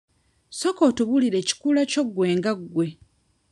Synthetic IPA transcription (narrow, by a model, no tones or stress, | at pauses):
sokotuβuliɾe̞ci̥kulaco̞ɡːwe̞ːŋɡaɡwe̞